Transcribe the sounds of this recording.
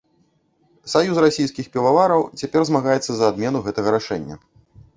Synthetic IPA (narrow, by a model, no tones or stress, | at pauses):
sajusrasʲijskʲixpʲɛvavaɾɐwt͡sʲapʲɛrzmaɣajɛt̪sːɐzɐːd̪mʲɛnuɣɛt̪ɐɣɐɾaʂɛ̰nʲːɐ̰